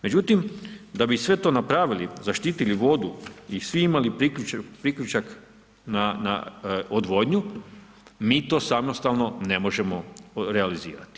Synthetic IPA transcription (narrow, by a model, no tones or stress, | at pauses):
me̞d͡ʑut̪imd̪abisʋe̞t̪o̞ːnapɾaʋilizaʃt̪iːt̪iliʋo̞d̪uisʋiimalipɾikʎut͡ʃapɾikʎut͡ʃak | nana̰od̪ʋo̞dɲu | miːt̪o̞ːsamnost̪alno̞ne̞mo̞ʒe̞mo̞ɾealizḭːɾa̰t̪i̥